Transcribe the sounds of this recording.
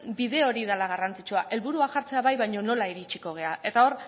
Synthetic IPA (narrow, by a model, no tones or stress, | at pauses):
biðe̞o̞ɾiðalaɣ̞arant͡si̥t͡ʃuaʔe̞lβuɾuaʝaɾt͡se̞aβajβajɲo̞no̞laiɾit͡ʃiko̞ɣ̞e̞aʔe̞t̪ao̞r